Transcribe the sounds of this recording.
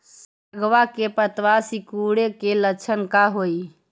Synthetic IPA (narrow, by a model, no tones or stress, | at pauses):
s | aɡʋakepət̪ʋasikuɽekelət͡ʃʰənkaɦoj